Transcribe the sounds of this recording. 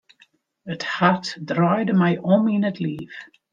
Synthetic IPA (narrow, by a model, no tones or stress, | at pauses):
əthatdrajdəmɛjʔɔminətʰlif